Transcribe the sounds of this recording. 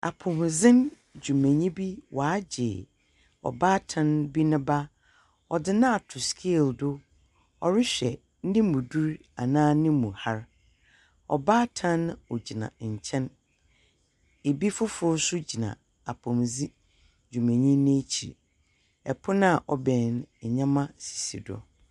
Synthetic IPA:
a̰˨pʰʊ̃˨mzɪ̃˦n | d͡ʑᶣu˨mẽ˨ɲĩ˦bi˦wa˨˦d͡ʑɪ˨ | ɔ̰˨baː˦tʰã˦nbi˦nʊ̃˦ba˦ | ɔ˨dɪ˦nã˦a˨tʰʊ˨skʰi˦˨ldʊ˦ | ɔ˨ɾɪ˦ɕᶣɛ˨˦ | nɪ̃˦mũ˨du˦ɾ | a˨nãː˦nɪ̃˦mũ˨ha˦ɾ | ɔ̰˨baː˦tʰã˦n˦ɔ˨d͡ʑi˨nã̰˨ɲ̩˨t͡ɕʰɛ̃˦n | e˨bi˦fʊ˦fʊ˦sʊ˦d͡ʑi˨nã̰˨ | a˨pʰɔ̃˨mzi˦ | d͡ʑᶣu˨mẽ˨ɲĩ˦nẽ˦t͡ɕʰḭ˨ | ɛ˨pʰʊ˦nã˦˨ʔɔ˨bɛ̃˨n˨ɲã˦mã˦si̥˨sḭ˨dɔ̰˨

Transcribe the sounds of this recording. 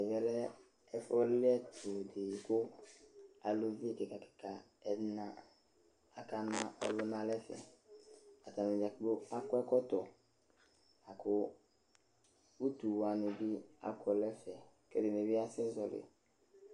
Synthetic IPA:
ɛ˨vɛ˨lɛ˦ | ɛ˦fɔ˦lɪ˦ɛ˦tʰʊ˨de˨kʊ˦ | a˨lo˦vi˦kɪ˨ka˨kɪ̥˨ka˨ | ɛ˨˦na˦ | a˨ka˦nã˦ʔɔ̰˨lʊ˦nã˦lɛ˦fɛ̰˨ | a˨ta˨mẽ˨d͡ʒa˨kbo˦a˦kʊ˦ɛ˦kɔ˦tɔ˨ | a˨kʰʊ˦ | u˦tu˨wa˨nʊ˨bi˦a̰˦kɔ˨lɛ˦fɛ˨ | kɛ˦dɪ˨ne˨bi˦a˦sɪ˦zɔ˨lɪ̰˨

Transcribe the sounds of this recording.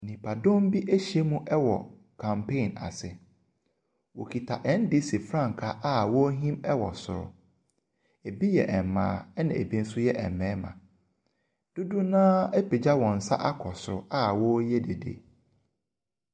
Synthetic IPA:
nĩ˨pʰa˨dõ˦m˦bi˦ʔe˦ɕi˨e˦mũ˦ʔɛ˦wɔ̰˨ | kʰã˨mpʰẽ˦˨na̰˨sɪ˨ | wo˨kʰi˨tʰa˨ʔɛ˨˦n̩˦di˦se˨fɾã˦ŋ˨kʰa˨ʔa˦wɔ˦ɦĩ˦mɛ˦wɔ̰˨sʊ̰˨ɾʊ̰˨ | e˨bi˦jɛ̰˨ʔɛ˨m˨mã̰ː˨˦ɛ˦nã˨e˨bĩ˦n̩˦sʊ˦jɛ˦ʔɛ̰˨m˨mɛ̃ː˦mã̰˨ | d̥ʊ˦du˦nãː˦ɛ˦pe˨d͡ʑa˦wɔ̃˨n̩˨sa̰˦ʔa˦kʰɔ˨sʊ˨ɾʊ˨a˦˨wɔ˦jɛ˦de˨dḛ˦

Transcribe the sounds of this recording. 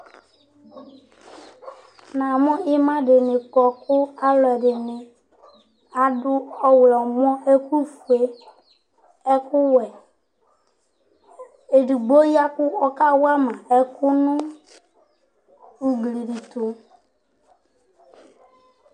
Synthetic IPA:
na˨mʊ̃˦ɪ˦mã˦dɪ˨nɪ˨kɔ˨kʊ˦a˦lɔ˨ɛ˨dɪ˨nɪ˨ | a˨dʊ˦ɔ˦wlɔ˨m˦ɔ˦e˦ku˦fu˨e˦ | ɛ˦kʊ˦wɛ˨ | e˨di˨ɡ͡bo˦ja˦kʊ˦ɔ˦ka˦wa˦ma˨ɛ˨kʊ˦nʊ̃˦ | u˨ɡli˨di˨tu˨

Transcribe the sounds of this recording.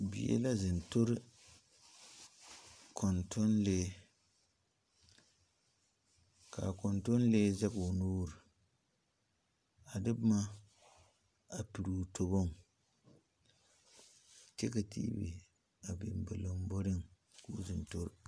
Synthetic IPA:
bḭ˨jḛ˦la˦zɪ˨nto˦ɾɨ˦ | kʰɔ˨ntʰo˦nleː˦ | ka̰˨kɔ˨nto˦n˦leː˦za˦ɡo˨nuː˦ɾɨ˨ | a˨dɨ˦bma˦ | a˨pi˨ɾu˨tʰo˨bo˦ŋ | t͡ʃɛ˦ka˨tḭ˦bḭ˨ | a˨bɪ˨m˨bɪ˨lɨ˨m˦bo˦ɾɨ˦ŋ | ku˦zɨ˨nto˦ɾ

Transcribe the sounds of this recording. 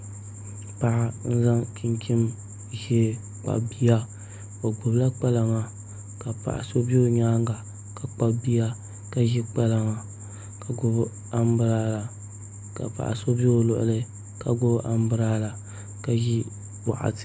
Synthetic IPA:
pa˨ʔa˨n̩˦za˦ŋkʰi˦ŋkʰi˦m | ʒɛ˦ | k͡pa̰˨bi˦ja˦ | ba˨ɡ͡bʊ˨bla˦k͡pɛ˦la˨ŋa˨ | ka˨pa̰˨ʔa̰˨so˦bo˦ɲaː˦ŋɡa˨ | ka˨k͡pa˦bi˦ja˦ | ka˦ʒi˦k͡pɛ˦la˨ŋa˨ | ka˨ɡʊ˦b | a˦m˦bɨ˦ɾa˦la˨ | ka̰˨pa̰˨ʔa̰˨so˦bi˦o˦lʊ̰˨ʔʊ̰˨lɨ˦ | ka˨ɡʊ˦bʔa˨m˦bɨ˦ɾaː˦la˨ | ka˨ʒi˦ | wa̰˨ʔa̰˨t

